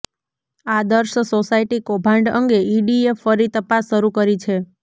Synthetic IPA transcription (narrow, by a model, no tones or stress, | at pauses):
ad̪əɾʃsosaiʈikobʱãɳɖə̰ŋɡeiɖiefəɾit̪əpasːəɾukəɾit͡ʃʰe